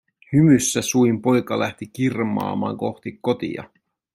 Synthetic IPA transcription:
hymysːæsuimpo̞jkɑlæht̪ikirmɑ̰ːmɑ̰ːŋko̞xt̪ikːo̞t̪ḭjɑ̰

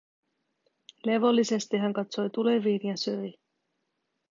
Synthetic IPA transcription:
le̞ʋo̞lːise̞st̪iɦæŋkɑt̪so̞jt̪ule̞ʋiːnjɑsøj

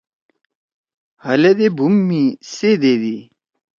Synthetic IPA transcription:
hɐled̪ebʱumːised̪eːd̪i

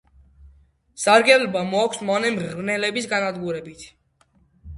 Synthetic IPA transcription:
saɾɡɛlbamɔakʰsmɔnɛmnɛlɛbisɡanad̪ɡuɾɛbit̪ʰ

